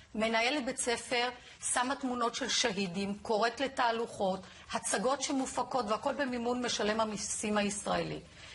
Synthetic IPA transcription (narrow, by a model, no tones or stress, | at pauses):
me̞naje̞let̚bet͡se̞fe̞ʁ | samatmuno̞tʃe̞lʃaɦidimko̞ʁe̞t̪le̞taːluχo̞t | hat͡saɡo̞tʃe̞mufako̞tveako̞lbemimunme̞ʃale̞mhamisimhaisʁaelḭ